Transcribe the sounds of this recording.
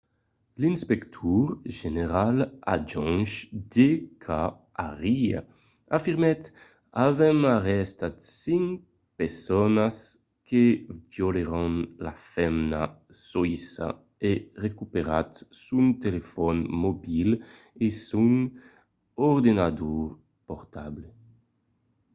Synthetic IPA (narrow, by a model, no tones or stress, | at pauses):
linspɛkt̪ʰuɾʒeneɾala̰d͡ʒɔnʃd̪ekʰa | aʁia̰ | afiɾmɛt̪ | avɛmaʁɛst̪at̪siŋ | peɾsɔnas | kevjoleɾɔnlafɛmna | sɔisa̰ | erekupeɾa̰t̪sunt̪elefɔnmobil | esuŋ | ɔɾd̪enad̪uɾ | pɔɾt̪able